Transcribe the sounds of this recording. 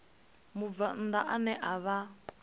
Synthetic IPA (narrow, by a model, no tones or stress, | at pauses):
mub̪van̩d̪aʔanɛʔaβa